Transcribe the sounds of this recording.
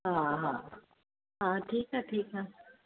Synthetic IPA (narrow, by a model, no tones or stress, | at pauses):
ɦãɦã | ɦãʈʰiːkɦaʈʰiːkɦa